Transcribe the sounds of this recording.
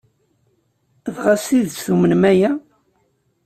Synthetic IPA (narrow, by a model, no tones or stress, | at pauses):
ðʁasθiðsθumənmæjæ